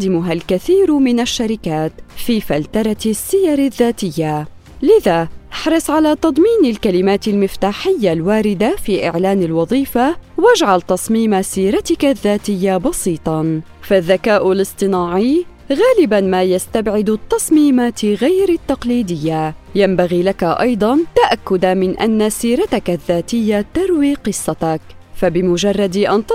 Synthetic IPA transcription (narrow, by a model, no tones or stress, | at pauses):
d̪ɪmʊɦalkaθiːɾmɪnaʃːaɾɪkaːt̪fiːfalt̪ɑɾˤɑsːɪjɑɾˤɪðːaːt̪ɪjːa | lɪðaːʔaħɾˤɑsˤʕalaːt̪ɑd̪ˤmiːnalkalɪmaːt̪ɪlmɪft̪aːħɪjːalwaːɾɪd̪afiːʔɪ̰ʕlaːnalwɑðˤiːfawad͡ʒʕalt̪ɑsˤmiːmasiːɾat̪ɪkaðːaːt̪ɪjːabɑsˤiːt̪ˤɑ | faðːakaːʔʊlɨsˤt̪ˤɨnaːʕɪj | ɣaːlɪbanmaːjast̪abʕɪd̪t̪ːɑsˤmiːmaːt̪ɣajɾat̪ːɑqliːd̪ɪjːajambaɣiːlakaʔɑjd̪ˤɑnt̪aʔakːʊd̪amɪnʔa̰nːasiːɾat̪akaðːaːt̪ɪjːat̪ɑɾwiːqɨsˤːɑt̪ɑk | fabɪmʊd͡ʒɑrˤːɑd̪ʔant̪